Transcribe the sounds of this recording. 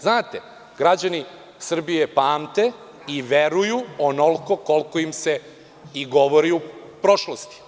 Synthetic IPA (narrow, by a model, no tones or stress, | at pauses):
znaːt̪e | ɡɾad͡ʑani | sr̩bije̞paːmt̪e̞ | iʋe̞ɾujuonolˠko̞ko̞lˠkoimse̞ | iɡo̞ʋoɾiupɾo̞ʃlost̪i̥